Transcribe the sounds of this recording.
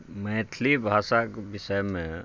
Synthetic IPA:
məːt̪ʰlibʱaːsakbɪsəjmẽ

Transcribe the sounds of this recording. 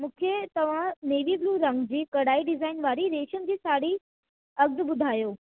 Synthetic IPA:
mũːkʰet̪ɐʋ̤ãneːʋibluːɾɐ̃ŋɡd͡ʑiːkɐɽaːiɖɪzaːɪnʋaːɾiɾeːʃənɪ̆d͡ʑiːsaːɽi | ɐɡ̚d̪ɓʊd̪ʱaːjoː

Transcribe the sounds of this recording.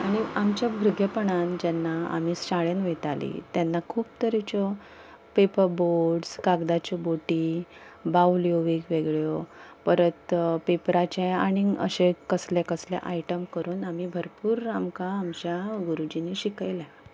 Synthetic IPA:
aɽ̃iamt͡ɕjabʱuɾɡʱjəpəɳand͡ʑɛnːaa̰miːsɕaɭenʋet̪alḭt̪jɛnːakʰuːbt̪əɾit͡ɕɔ | pepəɾboɖskaɡd̪at͡ɕɔboʈi | bawljoʋikʋeɡɭjɔpəɾət̪pepɾat͡ɕẽa̰ɽ̃iə̰ɕekəslekəslja̰ʔajʈəmkəɾuːnamibʱəɾpuːɾamkaːmt͡ɕjaɡuɾud͡ʑiniːɕikajla

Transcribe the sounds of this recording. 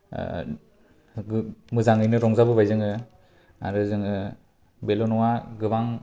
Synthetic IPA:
mɯzaŋɯjnɯɾɔŋzabɯbajzɯŋɯ | a̰ɾɯzɯŋɯ | belɔnɔwaɡɯbaŋ

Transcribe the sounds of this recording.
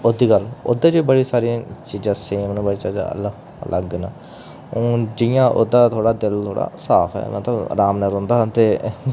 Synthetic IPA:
od̪iːkəlo̰d̪ẽːd͡ʒiːbəɽiːsaːɾiãːt͡ʃiːd͡ʒãːseːmnːbəɽiːt͡ʃiːd͡ʒã̰ə̰lə | lʔəɡna | õːd͡ʒɪjãːʔo̰ːd̪ãːt̪ʰoːɽaːd̪ɪlt̪ʰoːɽa̰ːsaːpʰɛ̰ːmə̰t̪ləbɾaːmnɛːɾɔ̃ːnd̪aːɦt̪eː

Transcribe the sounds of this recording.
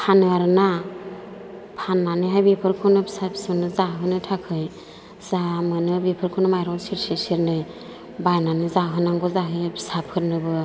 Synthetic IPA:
pʰanɯaɾɯna | pʰanːanɯɦajbipʰɯɾkʰɯnɯbsabʰsɯnɯzaɦɯnɯtʰakʰɯj | zamɯnɯbipʰɯɾkʰɯnɯmajɾɔŋsiɾsiɾsiɾnɯj | bajnanɯzaɦɯnaŋɡɔzaɦɯjbʰsap̚ʰkʰɯɾnɯbɯ

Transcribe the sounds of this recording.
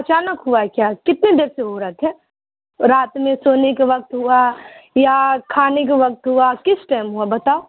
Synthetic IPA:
ɐt͡ʃaːnəkɦuakjaːkɪt̪ned̪eːɾseɦoɾɐkʰɛ̃ː | ɾaːt̪mẽsoːnekaʋɐk̚t̪ɦuajakʰaːnek̬aʋɐk̚t̪ɦuakɪsʈaɪmɦuabɐt̪aːo

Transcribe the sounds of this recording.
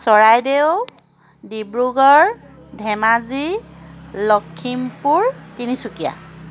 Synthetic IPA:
sɔɹajdeʊ | dibɹuɡɔɹ | dʱɛmazi | lɔkʰːimpuɹtinisukija̰

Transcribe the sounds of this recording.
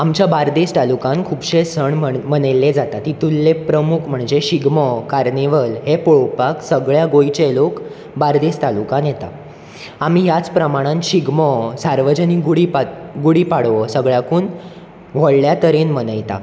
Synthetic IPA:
amt͡ɕjabaɾd̪est̪alukãnkʰuːbɕesəɳməmənəlːed͡zat̪at̪it̪ulːepɾəmukʰm̤əɳd͡zeɕiɡmɔkaɾneʋəlɦepoɭpaksəɡɭjaɡojt͡ɕelok | baɾd̪est̪alukãnjet̪a̰ | amiːɦjat͡spɾəmaɽ̃ãnɕiɡmɔsaɾʋəd͡ʑəniɡuɽipaɡuɽiːpaɽʋəsəɡɭjakuːn | ʋ̤əɭljat̪əɾenmənəjt̪a̰

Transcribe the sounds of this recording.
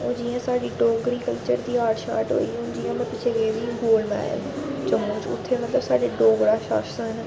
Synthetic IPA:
ʊ̃d͡ʒiːãːsaːɖiːɖoːɡɾiːkəlt͡ʃəɾd̪iːaːʈʃa̰ːɾʈɦo̰ːiːʊ̃nd͡ʒiːãːmət̪ɪt͡ʃʰeɡeːʋiːɡoːlmɛ̰ːlt͡ʃəmõːt͡ʃʊ̰t̪ʰːeːmət̪ləbsaːɖeːɖoːɡɽaːʃa̰ːʃsə̃ːɦɪn

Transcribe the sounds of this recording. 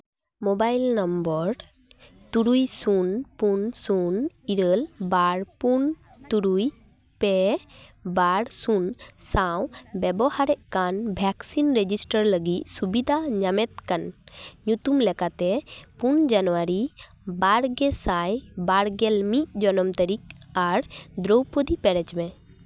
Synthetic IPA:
mobajlnambɔɾ | t̪uɾujsunpunsuniɾəlbaɽpun | t̪uɾuj | pɛ | baɽsunsawbɛbɔhaɾɛʔkanbʱɛksinɾed͡ʒisʈəɾləɡit̪̚subid̪ʱaɲamɛt̪̚kanɲut̪umlɛkat̪ɛpund͡ʒanɔwaɾi | baɽɡɛsajbaɽɡɛlmic̪̚d͡ʒɔnɔmt̪əɾikaɾd̪ɾowpəd̪ipɛɽɛt͡ʃmɛ

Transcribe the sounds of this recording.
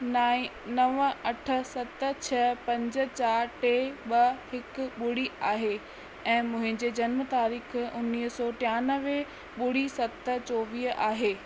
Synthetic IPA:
a | nɐʋɐʈʰə̆sɐt̪t͡ɕʰɐpɐ̃ɲd͡ʑə̆t͡ɕaːɾʈeːɓɐhɪkʊɓʊɽiaːɦeː | ɛ̃ːmʊ̃ɦɪ̃ɲd͡ʑeːd͡ʑɐnmət̪aːɾiːxʊnːiːɦsɔːʈɪjaːnəʋ | ɓʊɽisɐt̪t͡ɕoːʋiːɦʔaːɦeː

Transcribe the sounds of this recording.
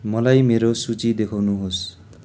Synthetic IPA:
mʌlajmeɾosut͡sid̪ekʰawnuɦos

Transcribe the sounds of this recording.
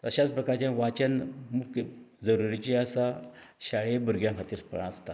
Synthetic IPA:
t̪əɕat͡spɾəkaɾt͡ɕjãʋat͡ɕanmukəd͡zəɾuɾit͡ɕiəsaɕaɭebəɾɡjãkʰat̪iːɾpə̰ãəst̪a

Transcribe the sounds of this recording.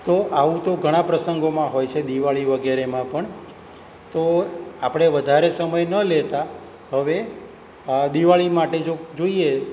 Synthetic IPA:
t̪oʔaʋũt̪oɡʱəɽ̃ãpɾəsəŋɡomãɦojt͡ʃʰed̪iʋaɭiʋəɡeɾemãpəɳ | t̪oapəɽ̃eʋəd̪ʱaɾesəməjnəlet̪a | ɦəʋe | d̪iʋaɭimaʈed͡ʒod͡ʒoie

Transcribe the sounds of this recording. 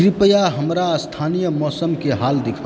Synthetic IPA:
ɾɪpəjaɦəmɾast̪ʰaːnijəmɔːsəmkeɦaːld̪ɪkʰa

